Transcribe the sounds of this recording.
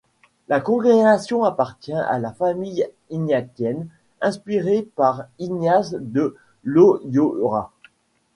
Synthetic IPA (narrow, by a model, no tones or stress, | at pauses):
lakɔ̃ɡʁeɡasjɔ̃apaʁt̪jɛ̃ʔa̰lafamij | injakjɛn | ɛ̃spiʁepaʁinjasd̪ə | lojoʁa